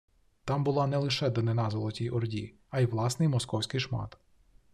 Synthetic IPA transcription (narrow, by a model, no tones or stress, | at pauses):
t̪ɑmbʊlˠɑnɛlˠɪʃɛd̪ɔnenɑzɔlˠɔtʲijʔɔrdʲi | ɐjʋlˠɑsnɪjmɔskɔwsʲkɪjʃmɑ̰t̪